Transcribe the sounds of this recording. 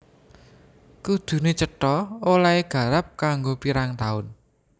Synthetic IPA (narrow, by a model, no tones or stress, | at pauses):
kud̪̥ṳnet͡ʃəʈɔolaeɡ̥ä̤ɾap̚kaŋɡopiɾaŋt̪aʊn